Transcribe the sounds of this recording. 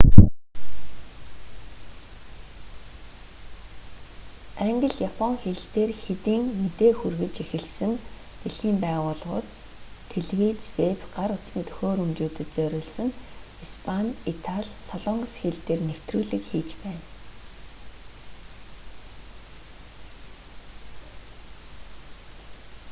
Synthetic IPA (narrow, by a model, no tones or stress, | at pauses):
æŋɡə̆ɮjapʰɔŋxeɮt̪eːrxet̪iːŋmet̪eːxurɣɘ̆t͡ɕexɘ̆ɮsɘ̆n | t̪eɮɣiːmpæːʁʊːɮʁʊ̰ːt̪ʰː | eɮwit͡swepɢaɾʊt͡ssniːt̪ʰɵ̥xʲoːɾɵmt͡ɕuːt̪ɘ̆t̪t͡sœɾʲɪːɮsə̆n | ispʰanit̪ʰaɮʲsɔɮɔŋɡɞsxeɮt̪eːrnew̥t̪ruːɮɘ̆kxiːt͡ɕpæːn